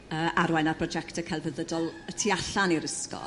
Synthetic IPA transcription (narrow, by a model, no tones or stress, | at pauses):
əːʔaɾwajnarpʰrɔd͡ʒɛktʰəkʰɛlˠvəðədɔlˠətʰiaɬaniɾəskɔ̰